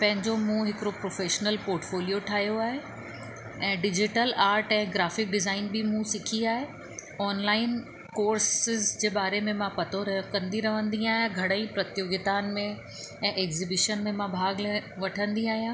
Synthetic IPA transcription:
pɐ̃ɦɪ̃ɲd͡ʑomũɦɪkɪɾopɾoːfeːʃnəlpoːɾʈfoːlijoʈʰaːɦijoaːɦe | ɛ̃ːɖɪd͡ʑɪʈəlaːɾʈɛ̃ːɡɾaːfɪk̚ɖɪzaːɪnbɪmũsɪkʰiaːɦe | ɔːnlaːɪn | koːɾsɪzd͡ʑeːbaːɾemẽmãpɐt̪ʰoɾɐkɐ̃nd̪iɾɐʋ̤ə̃nd̪ĩaːɦijãɡʱɐɽə̃ĩpɾɐt̪joːɡɪt̪aːnmẽ | ɛ̃ːʔeːɡzibɪʃənmẽmãbʱaːɡʋɐʈʰə̃nd̪iaːɦijãː

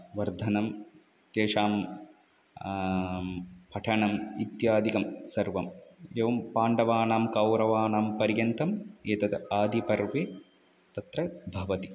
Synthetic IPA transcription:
ʋɐɾd̪ʱɐnɐm | t̪eːʂaːm | pʰɐʈʰɐɳɐmit̪jaːd̪ʱikɐmsɐɾʋɐmeːʋɐmpaːɳɖɐʋaːnaːmkɐwɾɐʋaːnaːmpɐɾjɐnt̪ɐmeːt̪ɐt̪ɐaːd̪ʱipɐɾʋe | t̪ɐt̪ɾɐbʱɐʋɐt̪i

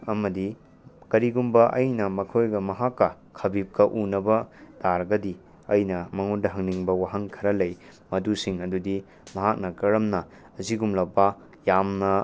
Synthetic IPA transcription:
ɐmɐdi | kɐɾiɡumbɐʔɐjnɐmɐkʰojɡɐmɐɦakːɐ | kʰɐbip̚kɐʔunɐbɐdaɾɐɡɐdi | ɐjnɐmɐŋondɐɦɐŋniŋbɐwaɦɐŋkʰɐɾɐlɐj | mɐdusiŋɐdudi | mɐɦak̚nɐkɐɾɐmnɐː | ziɡumlɐpːɐ | jamnɐ

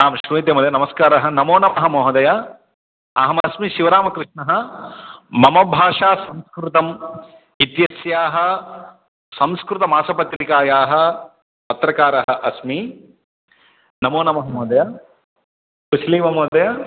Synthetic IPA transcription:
aːmʃɾuit̪̬jɐmɐd̪jɐnɐmɐskaːɾɐɦɐnɐmoːnɐmɐɦɐmoːd̪ɐja | ɐ̰ɦɐmɐsmiʃiʋɐɾaːmɐkɾɪʂɳɐɦɐ̆ | mɐmɐbʱaːʂaːsɐmskɾut̪ɐm | it̪jɐsjaːɦɐ̆ | sɐmskɾut̪ɐmaːsɐpɐt̪ɾikaːjaːɦɐ̆ | pɐt̪ɾɐkaːɾɐɦɐʔɐsmi | nɐmoːnɐmɐɦɐmoːd̪ɐjaː | kut͡ʃʰliːmɐmoːd̪ɐjaː

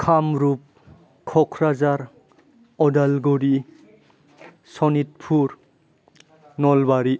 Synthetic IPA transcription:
kʰamɾup̚ | kʰɔkʰɾazaɾ | ɔdalɡuɾi | sɔnit̚pʰuɾ | nɔlbaɾi

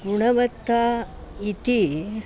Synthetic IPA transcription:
ɡuɳɐʋɐt̪ːait̪i

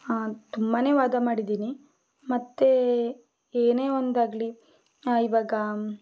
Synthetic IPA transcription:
t̪umbane̞ːʋaːd̪amaːɽid̪iːni | mɐt̪ːe | eːne̞ːond̪aːɡli | iʋaːɡɐ

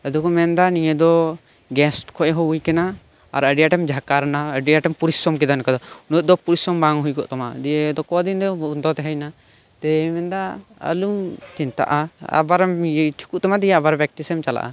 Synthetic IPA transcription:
əd̪ɔkɔmɛnd̪aniɲed̪ɔ | ɡɛsʈkʰɔʔɦɔujkɛna | a̰ɾəɖijaʈɛmd͡ʒʱakaɾnaəɖijaʈɛmpuɾisɔmkɛd̪ankad̪ɔunuɔʔ̚d̪ɔpuɾisɔmbaŋɦujkɔʔt̪ɔmad̪ijed̪ɔkɔd̪ind̪ɔund̪ɔt̪ɛɦɛjna | t̪ɛmɛnd̪aə̰luŋt̪int̪a̰ʔaa̰baɾmʈʰi̥kuʔt̪ɔmad̪ijaabaɾbɛk̚t̪isɛmt͡ʃala̰ʔa̰

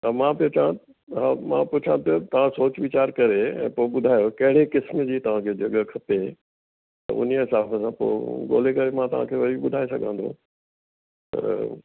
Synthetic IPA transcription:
amãpijot͡ɕã | ɦamã̰pʊt͡ɕʰãpiot̪ɐʋ̤ãsoːt͡ɕʋɪt͡ɕaːɾkɐɾeɛ̰̃ːpoːɪɓʊd̪ʱaːjokɐɦɪɽekɪsmd͡ʑiːt̪ɐʋ̤ãkʰeːd͡ʑɐɠəkʰɐpe | t̪ɐ̰ʊ̰niəɪsaːfəsãpo̰ːɠo̰ːlekɐɾemãt̪ɐʋ̤ã̰kʰeːʋɐiɓʊd̪ʱaːesɐɡʱã̰ːnd̪ʱo̰ | t̪ɐ̰

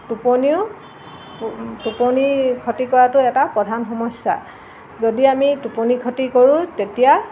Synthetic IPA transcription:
tuponiʊ | tuponikʰɔtikɔɹatʊɛtapɹɔdʱanxɔmɔsːa̰ | zodiamituponikʰɔtikoɹũtetija

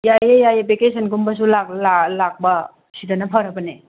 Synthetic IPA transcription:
jajejajepekesənkumbas̬ulalalak̚ba | sidanapʰaɾabɐne

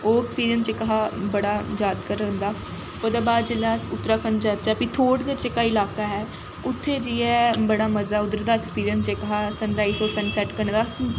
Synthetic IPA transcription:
oːɛkspiːɾijənst͡ʃekəɦaːbəɽaːjaːd̪kəɾənd̪aː | oːd̪aːbaːd̪d͡ʒelasʊt̪ːɾaːkənd͡ʒaːt͡ʃaːpit̪ʰoːɽd̪eɾt͡ʃekːaːɪlaːkaːɦɛː | ʊt̪ʰːeːd͡ʒiːɛːbəɽaːməzaːʊd̪əɾd̪aːɛekspiːɾijənseːkəɦaːsənɾaːisɔːɾsənsɛːʈkəɾnd̪aːs

